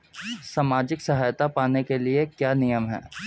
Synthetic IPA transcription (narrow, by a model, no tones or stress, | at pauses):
saːmaːd͡ʒɪksɐɦaːjt̪apaːnekeliekjaːnijəmɦɛ̰ː